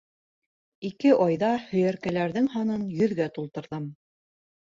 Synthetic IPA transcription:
ikɘʔɑjðɑhɵ̆jæɾkælæɾðɘŋhɑnɤnjɵ̆ðɡæt̪ulˠt̪ɤ̆ɾðɤm

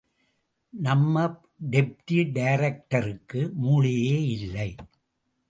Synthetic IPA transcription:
nɐmːɐp̚ | ɖɛp̚ʈiɖɐjɾɐk̚ʈɐɾɯkːɯmuːɻɪjeːɪlːɐɪ

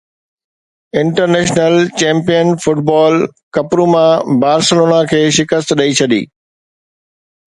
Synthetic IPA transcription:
ɪ̃ɳʈəɾnɛːʃnəlt͡ɕɛ̃ːmpijənfʊʈ̚bɔːlkɐpɾumãbaːɾsəloːnakʰeːʃɪkəst̪ɗɐit͡ɕʰɐɗ̪ḭː

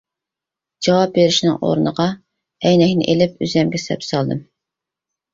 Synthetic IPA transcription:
d͡ʒɑwɑp̚beɾɪʃinɨ̰ŋʔo̰ɾnəʁɑ | ɛjnɛkʲnɪ̰ʔelɪpyzɛmɡʲɛsɛ̰psɑlˠd̪ɨm

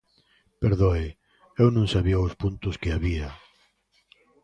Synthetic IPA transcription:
peɾðoɪ | ewnõŋsaβiaʊspunt̪ʊskɪaβia

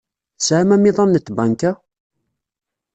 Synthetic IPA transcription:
sʕamæmɪðˤɑnːət̪ːbaŋkæ

